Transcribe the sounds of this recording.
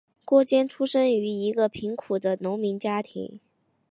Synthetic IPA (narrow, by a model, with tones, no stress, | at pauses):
kwɔ˥˩t͡ɕjɛ˥nʈ͡ʂʰu˥ʂə˥ŋy˧˥i˧˥ɡə˧pʰi˧˥ŋkʰu˨˩d̪ə˦nʊ˧˥ŋmi˧˥ŋt͡ɕja˥t̪ʰḭ˧˥ŋ